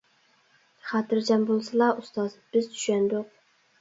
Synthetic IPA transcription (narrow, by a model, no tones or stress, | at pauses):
χɑt̪ɨɾd͡ʒɑmbolˠsɨlˠɑʔust̪ɑzb̥ɪzt̪ʰy̥ʃɛnd̪ʊq̚